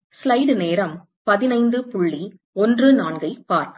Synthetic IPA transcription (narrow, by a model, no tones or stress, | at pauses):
slɐɪɽneːɾɐm | pɐðɪnɐɪnd̪ɯpʊɭːi | ɔndrɯnaːɳɡɐɪpaːɾ